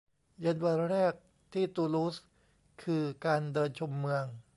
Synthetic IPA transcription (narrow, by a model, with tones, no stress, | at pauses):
ja˧˥nwa˧nɾɛː˥˩k̚ | t̪ʰiː˥˩t̪uː˧luː˦˥s | kʰɯː˧kaː˧ndɤː˧nt͡ɕʰo˧mːɯ˧əŋ